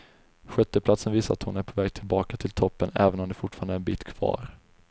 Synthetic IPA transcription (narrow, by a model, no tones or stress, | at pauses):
ɧɛt̪ːəpʰlat̪sənviːsat̪hʊnæɾpʰɔvɛːɡ̚t̪ʰɪlbɑːkat̪ʰɪlt̪ʰɔpːənɛ̰ːvənɔmd̪ɛfʊʈfɑːɾand̪əɾɛnbiːt̪kʰv̥ɑ̰ːɾ